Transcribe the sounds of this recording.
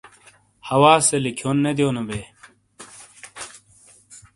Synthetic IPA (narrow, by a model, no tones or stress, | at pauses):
hɐwaːselikʰonːed̪joːnobeː